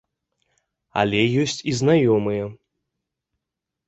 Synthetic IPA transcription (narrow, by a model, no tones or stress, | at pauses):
a̰lʲɛjɔsʲt͡sʲiznajɔmɨjɛ